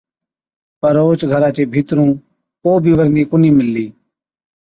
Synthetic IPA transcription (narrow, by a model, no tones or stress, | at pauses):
pəɾoːt͡ʃɡʱəɾãːt͡ʃeːbʱiːt̪ɾũː | koːbʱiːʋəɾniːkʊniːmɪlːiː